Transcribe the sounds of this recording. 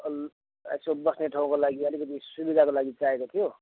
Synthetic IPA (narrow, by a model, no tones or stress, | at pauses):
a̰sobʌsneʈʰaũkolaɡiʌlikʌt̪̬isubid̪ʱakolaɡit͡saekot̪ʰijo